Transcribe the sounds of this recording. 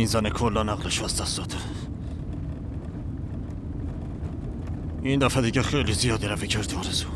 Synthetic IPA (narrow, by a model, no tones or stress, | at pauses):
inzænekʰolːɒnæɣleʃæsd̪æsɒt̪ʰeɾ | ind̪æfæd̪iɟexejlizijɒːd̪iɾæviɟʰeɾt̪ʰɒːɾezu̥